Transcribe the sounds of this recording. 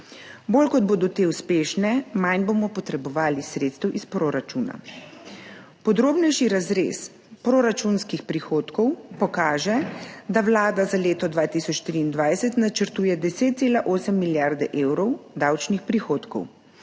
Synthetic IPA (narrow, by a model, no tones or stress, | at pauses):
boːlkɔd̪̚boːd̪ɔt̪eːuspeːʃnɛmajnboːmɔpɔt̪ɾɛbɔʋaːlisɾeːt̪st̪ɛwʔispɾoːɾat͡ʃuːna̰ | pɔd̪ɾoːbnɛjʃiɾazɾḛs | pɾoɾat͡ʃunskixpɾixoːt̪kɔwpɔkaːʒɛd̪awlaːd̪azaleːt̪ɔd̪ʋaːt̪isɔt͡ʃːt̪ɾiːnd̪ʋajsɛt̪nat͡ʃəɾt̪uːjɛd̪ɛseːt̪t̪seːlaʔoːsɛmːiljaɾd̪ɛʔeːwɾɔwd̪awt͡ʃnixpɾixoːt̪kɔ̰w